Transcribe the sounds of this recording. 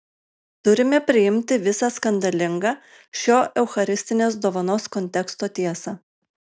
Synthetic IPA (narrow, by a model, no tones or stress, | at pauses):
t̪ʊɾʲɪmʲɛpʲɾʲɪjɪmʲt̪ʲɪʋʲɪsɑskɐnʲd̪ʲɐlʲɪŋɡɑː | ʃʲoːʔɛʊxɐɾʲɪsʲt̪ʲɪnʲeːs̬d̪oːʋɐnoːskɔnʲt̪ʲɛkst̪oːt̪ʲiɛsɑː